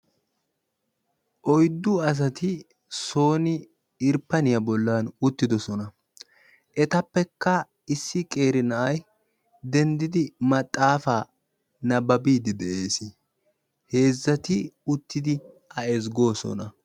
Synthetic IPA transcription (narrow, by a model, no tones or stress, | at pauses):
ʔɔjd̪ːʊɐs̬ɐt̪ɪ | so̞ːnɪ | ɪɾpːɐnɪjɐbɔlːɐnʊt̪ːɪd̪ɔsɔnɐ | ʔɛt̪ɐpːɛkːɐ | ɪsːɪkʼe̞ːɾɪnɐʔɐj | d̪ɛnd̪ɪd̪ɪmɐt̪ʼːaːfaː | nɐbɐbiːd̪ɪd̪ɛʔeːsɪ | he̞ːzːɐt̪ɪʊt̪ːɪd̪ɪ | ɐɛzɡo̞ːsɔ̰nɐ